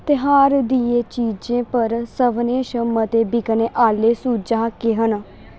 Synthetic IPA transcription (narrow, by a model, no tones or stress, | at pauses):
t̪ɪɦaːɾd̪ieːt͡ʃiːd͡ʒẽːpəɾsəʋneːʃəmət̪eːbɪkəneːʔaːleːsuːd͡ʒãːkeɦən